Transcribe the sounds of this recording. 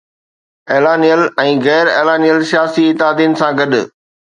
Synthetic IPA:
eːlaːnijəlɛ̃ːɣɛːɾeːlaːnijəlsijaːsiɪt̪ɪɦaːd̪ijənɪ̆sãɡɐɗʊ̆

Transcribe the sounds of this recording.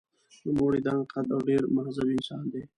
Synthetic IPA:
nəmoːɽiːd̪ãːqʰɐd̪awɖeːɾmɐɦzɐbɪnsaːnd̪eː

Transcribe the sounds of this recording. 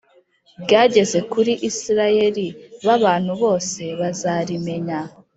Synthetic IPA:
bɟaːɟe̞ze̞kuɾiʔisiɾaje̞ɾiβaβaːn̥huβo̞ːse̞βazaɾime̞ɲa

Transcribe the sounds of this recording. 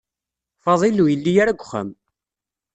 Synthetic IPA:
fɑðˤilujəlːijaɾaɡʷːχə̰m

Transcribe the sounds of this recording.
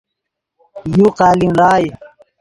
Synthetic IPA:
juqaːlimlɑːj

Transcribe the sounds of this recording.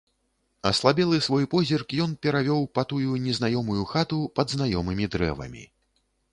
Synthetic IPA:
ɐslˠabʲɛlˠɨsvɔjpɔzʲirkjɔnpʲɛɾavʲɔwpɐt̪ujunʲɛznajɔmujuxat̪upɐd̪znajɔmɨmʲid̪ɾɛ̰vɐ̰mʲḭ

